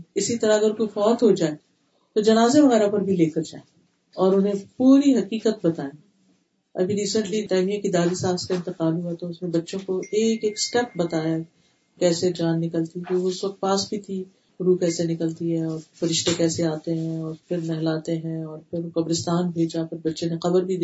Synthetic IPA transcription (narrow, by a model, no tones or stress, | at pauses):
ɪsit̪ɐɾaɐɡəɾkojfɔːt̪ɦod͡ʒaːe | t̪od͡ʒɐnaːzeʋɐɣɛːɾapɐɾbʱileːkəɾd͡ʒa̰ːe | ɔːɾʊnɦẽpuːɾiɦɐqiːqət̪̚bɐt̪aːẽː | ɐ̰bʱiɾiːsə̃ɳʈlitaːmijãkid̪aːɾisãːnskaɪ̃nt̪ɪqaːlɦuat̪oʊsnẽbɐtːʃõkoʔeːkeːksʈɛp̚bɐt̪aːja | kɛːsed͡ʒaːnːɪkəlt̪it̪oʊɪsʋɐq̚t̪̚paːsbʱit̪ʰi | ɾuːkɛːsenɪkəlt̪iɦɛɔːɾfɐɾɪʃt̪ekɛːseaːt̪eɦɛ̃ɔːɾpʰɪɾnɛɦlaːt̪eɦɛ̃ɔːɾpʰɪɾokɐbɾɪst̪aːnbʱeːd͡ʒapʰɪɾbɐtːʃẽneqɐbəɾbʱid̪e